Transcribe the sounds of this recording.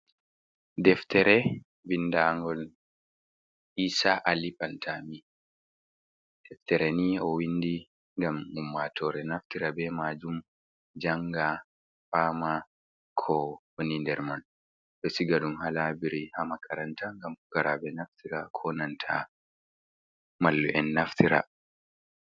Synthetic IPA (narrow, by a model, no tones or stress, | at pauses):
dɛftɛɾɛ | bindaŋɡɔl | ʔiːsaʔalipantʰami | d̥ɛftɛɾɛniɔwindi | ŋɡamumːatʰɔɾɛnaftiɾabɛmaːd͡ʒum | d͡ʒaŋɡa | faːma | kʰɔbɔnindɛɾman | ɗɔsiɡaɗumhalabiɾihamakʰaɾantʰaŋɡamukaɾabɛnaftiɾakʰɔnantʰa̰ | malːuʔɛnːaftʰiɾa̰